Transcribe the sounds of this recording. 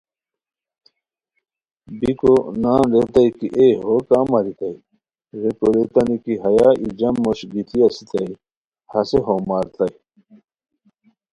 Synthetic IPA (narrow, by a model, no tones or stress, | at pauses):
bikonaːnɾet̪ɐjkiʔeɦokaːmɐɾit̪ɐi | ɾekoɾet̪ɐnikiɦɐjaːid͡ʑɐmːoɕɡit̪ʰiɐsit̪ɐi | hɐseɦomaːɾt̪ɐj